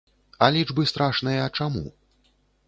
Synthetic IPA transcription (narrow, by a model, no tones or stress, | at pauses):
ɐlʲid͡ʐbɨst̪ɾaʂnɨjɐːt͡ʂamṵ